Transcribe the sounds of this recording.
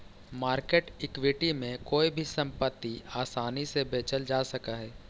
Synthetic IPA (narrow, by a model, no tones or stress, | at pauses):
maːɾkeːʈɪkwɪʈimẽkoːibʱisɐ̃mpət̪ːiaːsaːnisebeːt͡ʃəld͡ʒaːsɐkaɦɛː